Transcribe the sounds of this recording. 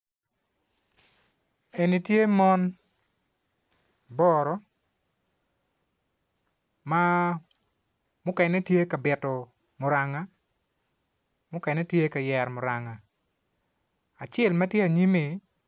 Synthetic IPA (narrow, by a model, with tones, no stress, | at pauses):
e˨ni˨tje˦mɔ˦n | bɔ˦ɾɔ˦ | ma˦ | mʊ˦kɛ˨nɛ˦tje˦ka˨bɪ˨tɔ˨ | mʊ˨ɾa˨ŋa˦ | mʊ˦kɛ˨nɛ˦tje˦ka˨jɛ˨ɾmʊ˨ɾa˨ŋa˨ | a˨t͡ʃɛ˦˨lmɐ˦tje˦a˨ɲi˦mi˨